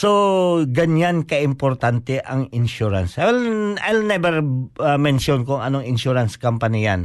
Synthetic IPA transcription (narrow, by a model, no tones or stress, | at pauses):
soɡɐɲankɐʔɪmpoɾt̪ant̪ɛʔɐŋɪnʃuɾa̰nsʔalʔajlnɛbɛɾamɛnʃonkʊŋɐnoɐŋɪnʃuɾɐnskampɐnijan